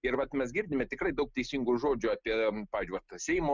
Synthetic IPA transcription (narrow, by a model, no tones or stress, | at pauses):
ɪrʋɐt̪mʲɛsɡʲɪɾʲd̪ʲɪmʲɛt̪ʲɪkɾɐɪd̪ɐʊk̚t̪ʲɛɪsʲiŋɡʊʒoːd͡ʒʲʊɑːpʲiɛppɑːʋʲɪzd͡ʒʲʊʋɐt̪sʲɛɪmo